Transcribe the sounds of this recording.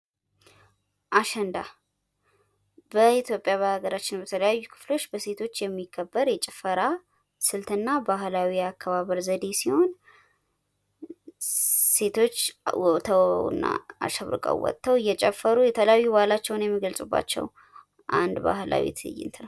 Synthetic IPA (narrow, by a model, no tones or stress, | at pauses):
ʔaʃɛnd̪a | bəit̪ʰjo̞pʼjaβahaɡəɾat͡ʃːɪnbət̪ʰələjajːukʰɨ̥flo̞t͡ʃːbəse̞t̪ʰo̞t͡ʃːjɛmːikʰːəbːəɾjɛt͡ʃʼɛfəɾa | sɨlt̪ʰɨnːabaɦlawiakʰːəβaβəɾzəd̪e̞siho̞n | se̞t̪ʰo̞t͡ʃːwɔt̪ʰəwɨ̰nːa̰a̰ʃəβɾɨ̰kʼə̰wwɔ̰t̪ʰːəwɨjːɛt͡ʃʼɛfːəɾujɛt̪ʰələjajːubahlat͡ʃːɛwnjɛmːiɡəlsʼubːa̰t͡ʃːɛ̰w | ʔa̰nd̪ba̰hla̰wḛt̪ʰɨ̰jːɪ̰nt̪ʰənəw